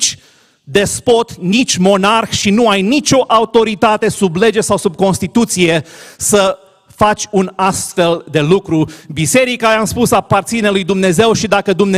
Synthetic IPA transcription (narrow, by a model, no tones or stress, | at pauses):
t͡ʃʲ | d̪e̞spo̞t̪nit͡ʃʲmo̞narxʃinuajnit͡ʃʲo̞ʔaut̪o̞ɾit̪at̪e̞suble̞d͡ʒesawsub̚ko̞nst̪it̪ut̪sije̞sə | fat͡ʃʲunast̪fe̞ld̪e̞lukɾubise̞ɾikaamspusapart̪sinelujd̪umne̞ze̞wʃid̪akəd̪umne